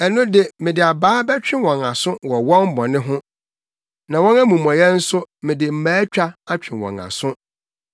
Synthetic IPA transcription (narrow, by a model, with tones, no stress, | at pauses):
ɛ˨nʊ̃˦dɪ˨mɪ̃˨dɪ˨a˨baː˦bɛ˦t͡ɕᶣɪ̃˦wɔ̃˨ŋa˨sʊ̃˦wɔ˨wɔ̃˦m˦bɔ̃˨nɪ̃˦ɦʊ̃˦ | nã˨wɔ̃˦næ˦mũ˨m˨ɔ̃˨jɛ˦n̩˦sʊ˦mɪ̃˨dɪ˨m̩˨mæː˨˦t͡ɕᶣa˦a˦t͡ɕᶣɪ̃˨wɔ̰̃˨ŋa̰˨sʊ̃˦